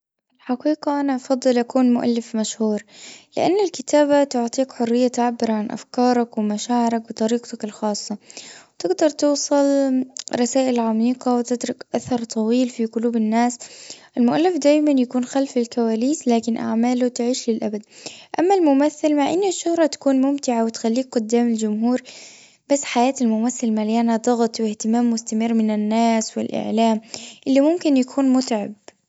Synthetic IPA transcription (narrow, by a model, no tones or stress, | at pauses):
ɪlħɑqiːqɑʔanaʔɑfɑd̪ˤːɨlʔakuːnmʊʔa̰lːɪfmaʃhuːɾlɪ̰ʔanːɪlkɪt̪aːbat̪ʊʕt̪ˤiːkħʊrːɪjːat̪aʕabːɪɾɑʕanʔa̰fkɑːɾˤɑkwɪmaʃaːʕɪɾˤɑk̚bɨt̪ˤɑɾiːqt̪akɪlxɑːsˤːɑwt̪ɪɡd̪ɑɾˤt̪uːsˤɨlɾˤɑsaːʔɪlʕamiːqɑwɪt̪ɪd̪ɾʊkʔaθɑɾˤt̪ˤʰɑwiːlfiqʊluːbɪnːaːsʔɪlmʊʔalːɪfd̪aːjmanjakuːnxalfɪlkawaːliːslaːkɪnʔa̰ʕmaːlʊt̪ɪʕiːʃlɪlʔabad̪ʔamːalmʊmaθːɪlmaʕʔɪnːʃːʊhɾˤɑt̪ḁkuːnmʊmt̪ɪʕawɪt̪xalːiːk̚ɡʊd̪ːaːmɪld͡ʒʊmɦuːɾ | b̥asːħajaːt̪almʊmaθːɪlmaljaːnad̪ˤɑɣt̪ˤwɪht̪ɪmaːmːʊst̪amɪrːmɪnɪnːaːswɪ̰lʔɪ̰ʕlaːmʔɪlːimʊmkɪnjakʰuːnmʊt̪ʕab̚